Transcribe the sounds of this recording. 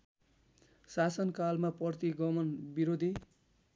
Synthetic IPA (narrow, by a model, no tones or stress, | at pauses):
sasʌnkalmaprʌrt̪iɡʌmʌnbiɾod̪ʱi